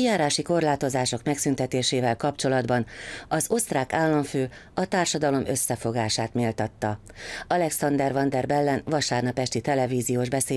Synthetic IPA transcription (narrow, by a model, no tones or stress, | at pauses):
ijaːɾaːʃiko̞rlaːt̪o̞zaːʃo̞kmɛksynt̪ɛt̪eːʃeːvɛlkɒpt͡ʃo̞lɒd̪bɒnɒzo̞st̪raːkaːlːɒɱføː | ɒt̪aːrʃɒd̪ɒlo̞mø̞sːɛfo̞ɡaːʃaːt̪meːlt̪ɒt̪ːɒɒlɛksɒnd̪ɛrvɒnd̪ɛrbɛlːɛnvɒʃaːrnɒpɛʃt̪it̪ɛlɛviːzijoːʒbɛseː